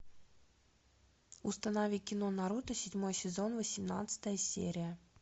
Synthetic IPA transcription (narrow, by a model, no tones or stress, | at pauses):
ʊst̪ɐnavʲikʲɪnonɐɾut̪ɨsʲɪdʲmo̞jsʲɪzo̞nvəsʲɪmnat̪sɨ̥t̪əjəsʲḛɾʲɪjə